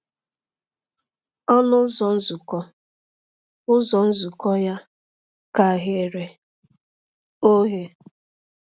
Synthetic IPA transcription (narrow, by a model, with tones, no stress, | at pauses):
ɔ˦nʊ˦zɔ˨n̩˦zu˨kɔ˦ | ʊ˦zɔ˨n̩˦zu˨kɔ˦ja˦ | ka˨ɦe˨ɾe˨ | o˦ɦe˦